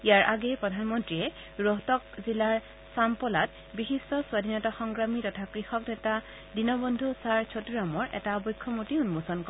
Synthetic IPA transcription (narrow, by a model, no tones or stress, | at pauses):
ijaɹʔaɡɛpɹɔdʱanmɔntɹiɛ | ɹɔɦtɔk̚zilaɹ | sampɔlat̚ | bixistɔswadʱinɔtaxɔŋɡɹamitɔtʰakɹixɔknɛta | dinɔbɔndʱusaɹt͡ʃʰotuɹamɔɹʔɛ̰taɔbɔjkʰːɔmutiunmusɔnkɔ